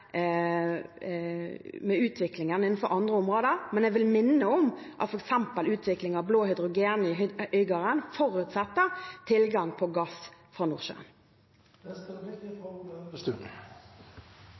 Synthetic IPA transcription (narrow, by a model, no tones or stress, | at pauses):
mɛʉːt̪ʰʋɪklɪŋənɪnn̩fɔɾʔɑnd̪ʁəʊmʁoːd̪əɾmɛnɛɡʋɪlmɪnːəɔm | ʔɑt̪fɔɾɛksɛmpəlʉːt̪ʰʋɪklɪŋɑʋbloːhʏd̪ɾʊɡeːnɪœʏɡəʁənfɔɾʉːt̪sɛt̪ːəɾt̪ʰɪlɡɑŋpʰɔɡɑsfʁɑnuːʁʃø̰ːn | d̪ɛskəʋɪkt̪ɪfɔəst̪ʉ̰